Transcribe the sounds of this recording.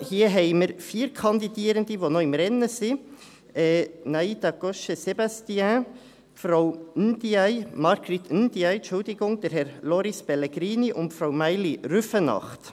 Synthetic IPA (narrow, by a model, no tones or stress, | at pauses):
hiːəɦɛɪməɾfiːɾkʰɑnd̪id̪iːəɾənd̪iʋonoɪmɾɛnːəsɪ | ɛnaid̪ɑɡɔʃəsebɑst̪iɛ̃ | fɾawnd̪iaɪmɑɾɡ̥ɾɪt̪ʰynd̪iɛɪʃʊld̪ɪɡʊŋd̥̪ɛɾɦɛɾloːɾɪspɛleɡɾiːniʔʊnfɾawmæɪlirʏfənɑ̰χt̪